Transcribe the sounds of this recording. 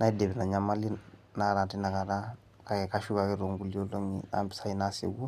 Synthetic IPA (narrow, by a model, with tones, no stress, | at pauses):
na˦i˦de˨bɛ˨na˨ɲamali˦ | naɾa˨ti˦na˨kaɾa | kakɛkaʃu˦kakɛɾo˨ŋɡuli˦o˦lo˦ɲḭa̰mpi̥˦sa˦ina˦sḛɡu˦